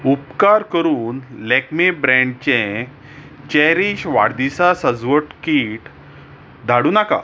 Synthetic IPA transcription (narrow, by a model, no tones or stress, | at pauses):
upkaɾkəɾuːnlɛkmebɾɛ̃ɳɖt͡ɕɛ̃ | t͡ɕɛɾiɕʋa̰ɽd̪isasəd͡zʋəʈkiʈ | d̪ʱaɽuːnaka̰